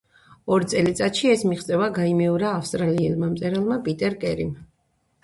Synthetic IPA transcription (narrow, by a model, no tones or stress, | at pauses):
ɔɾit̪sʼɛlit̪sʼat̪ʃiɛsmiχt̪sʼɛvaɡaimɛɔɾaːfst̪ʼɾaliɛlˠmamt̪sʼɛɾalˠmapʼit̪ʼɛɾkʼɛɾim